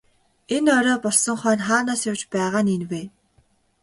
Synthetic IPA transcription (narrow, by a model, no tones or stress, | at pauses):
enɔɾɔːpɔɮsɞ̆ŋχœːnχaːnaːsjawt͡ɕpæːʁaːninweː